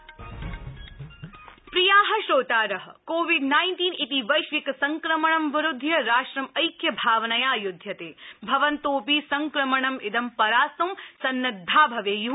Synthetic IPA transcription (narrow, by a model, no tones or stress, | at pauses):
pɾijaːɦɐʃɾoːt̪aːɾɐɦɐ̆koːʋiɖnaːjnʈiːnit̪iʋɐjʃʋikɐsɐŋkɾɐmɐɳɐmʋɪɾʊd̪ʱjɐɾaːʂɾɐmɐjkjɐbʱaːʋnɐjaːjud̪ʱːjɐt̪eːbʱɐʋɐnt̪oːpiːsɐŋkɾɐmɐɳɐmɪd̪ɐmpɐɾaːsɐmsɐnːɐd̪ʱːaːbʱɐʋeːju